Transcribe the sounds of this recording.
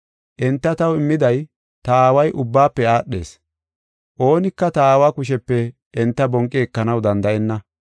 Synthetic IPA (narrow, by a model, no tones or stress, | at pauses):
ʔɛnt̪ːɐt̪ɐwɪmːɪd̪ɐj | t̪ɐaːwɐjʔʊbːaːpːɛaːɗːe̞̰ːs | ʔo̞ːnɪkːɐt̪ɐaːwaːkʊʃɛpːɛ | ʔɛnt̪ːɐbɔŋkʼːɛɛkːɐnɐwd̪ɐnd̪ɐʔɛnːɐ